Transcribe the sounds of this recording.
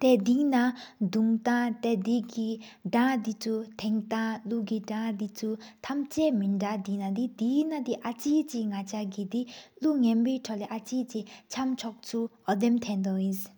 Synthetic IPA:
t̪ed̪iʔnad̪uŋt̪at̪ɛd̪iki | ɖ͡ʐad̪it͡sʰut̪ʰɛŋt̪aluɡiɖ͡ʐad̪it͡sʰut̪ʰamt͡ɕɛminɖ͡ʐaʔd̪inad̪id̪inat̪iʔat͡ɕiːt͡ɕiŋat͡ɕʰaɡid̪iluŋɛnpeʈ͡ʂʰɔleʔat͡ɕit͡ɕit͡ɕʰamt͡ɕʰɔk̚t͡sʰuɔd̪emt̪ʰɛnd̪ɔjis

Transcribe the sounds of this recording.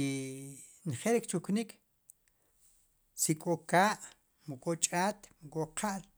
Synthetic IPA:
nχelɾikt͡ʃuknik | sikʼokaːʔ | mukʼot͡ʃʼaːt̪mukʼoqʰaʔl

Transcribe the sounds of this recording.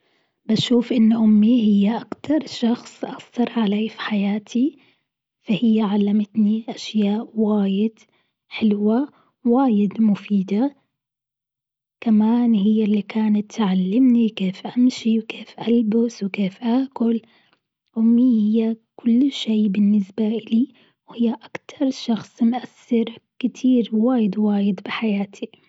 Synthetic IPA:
baʃuːfʔɪnːʔʊmːihɪjːaʔakt̪ʰɑɾˤʃɑxsˤʔɑsˤt̪ɑɾˤʕaleːfi̥ħajaːt̪ʰi | fahɪjːaʕalːamɪt̪niʔaʃjaːʔwaːjɪd̪̥ | ħɪlwa | waːjɪd̪mʊfiːd̪a | kamaːnhɪjːalːikaːnat̪ːʕalːɪmnikeːfʔamʃiwkeːfʔalbʊswkeːfʔaːkʊl | wmiːhɪjːakʊlːʃeːbɪnːɪsbaʔɪliː | whɪjːaʔakt̪ʰɑɾˤʃɑxsˤmʔasːɪɾkɪt̪ʰiːɾwaːjɪd̪waːjɪd̪bɪħajaːt̪ʰi

